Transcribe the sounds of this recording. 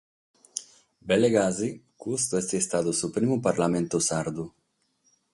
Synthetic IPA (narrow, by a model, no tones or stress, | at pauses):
beleɡazikust̪uɛst̪iest̪aːd̪usupɾimupaɾlament̪osaɾd̪u